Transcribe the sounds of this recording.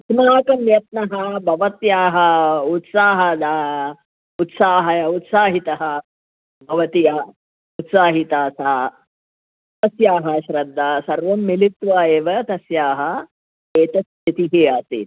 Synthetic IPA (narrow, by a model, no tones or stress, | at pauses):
smaːkɐmjɐt̪̚nɐɦɐbʱɐʋɐt̪jaːɦɐut̪saːɦɐd̪aː | ut̪saːɦɐut̪saːɦit̪ɐɦɐ | bʱɐʋɐt̪ijaː | ut̪saːɦit̪aːsaː | t̪ɐsjaːɦɐʃɾɐd̪ʱːaːsɐɾʋɐmːilit̪ʋaːeːʋɐt̪ɐsjaːɦɐ̆ | eːt̪ɐs | ɐt̪iɦiaːt̪ḭt̪